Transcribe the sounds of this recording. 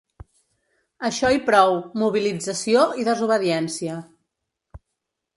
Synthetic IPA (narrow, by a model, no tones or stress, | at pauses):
əʃɔipɾɔwmuβ̞ilid͡zəsioiðəzuβ̞əðiɛnsiə